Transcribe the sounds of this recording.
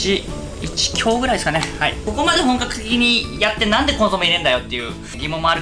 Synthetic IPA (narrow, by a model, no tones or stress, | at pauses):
i | it͡ɕi̥kʲʰo̞ːɡɯ̟ɾaidesɨkanehaḭko̞ko̞mad̪e̞ɦõ̞ŋkakɯ̟̥t̪ekʲiɲ̟ijat̪ːe̞nãnd̪e̞konso̞meiɾẽ̞nd̪ajo̞t̪ːe̞jɯ̟ː | ɡʲimõmːoaɾɯ̟